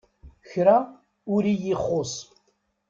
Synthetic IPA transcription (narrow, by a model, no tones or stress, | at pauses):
çɾa | ʊɾijiχːos